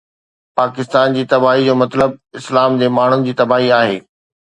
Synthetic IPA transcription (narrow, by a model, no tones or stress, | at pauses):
paːkɪst̪aːnd͡ʑiːt̪ɐbaːɦid͡ʑoːmɐt̪ləb̚ɪslaːmd͡ʑ̪emaːɳ̤ʊnɪ̆d͡ʑiːt̪ɐbaːɦiaːɦeː